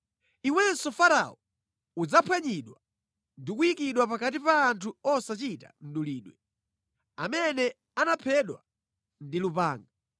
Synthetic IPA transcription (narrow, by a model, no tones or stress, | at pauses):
iwɛnsɔfaɾa̰ɔ | ud͡zapʰwaɲiɗwa | ndikuikiɗwapakat̬ipaːntʰuɔsat͡ʃita̰n̩ɗuliːɗwɛ | amɛnɛ | anapʰɛɗwa | ndilupaːŋɡa